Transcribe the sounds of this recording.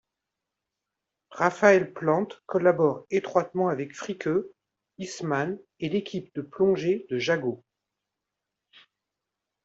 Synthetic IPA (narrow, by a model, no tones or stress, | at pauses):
ʁafaɛlplɑ̃t̪kɔlabɔʁet̪χwat̪mɑ̃avɛkfχikʰø | isman | elekʲʰip̚d̪əplɔ̃ʒed̪əʒaɡo